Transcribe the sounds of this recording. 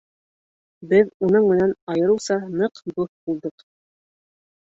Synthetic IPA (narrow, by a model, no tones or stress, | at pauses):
bɘðunɤɴmɘ̆nænɑjɤ̆ɾɤ̆wsɑnɤqbuθbulˠd̪ɤq